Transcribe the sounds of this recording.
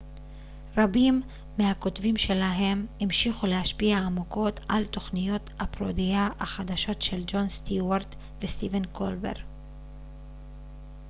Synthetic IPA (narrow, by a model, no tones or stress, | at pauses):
ʁabimː | eako̞t̪vimʃe̞laɦe̞mimʃiχule̞haʃpiaːmuko̞t̪ʔa̰lt̪o̞χnijo̞tapʁo̰d̪ijaaχad̪aʃo̞tʃe̞ld͡ʒo̞nst̪iwaʁt̪ | vest̪ivenkʰolbe̞̰ʁ